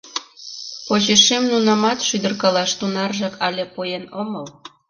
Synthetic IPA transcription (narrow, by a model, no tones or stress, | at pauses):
poʑeʃemnunɑmɑt̪ʃyd̪ə̆rkɑlɑʃt̪unɑrʒɑkɑlʲepujenoməl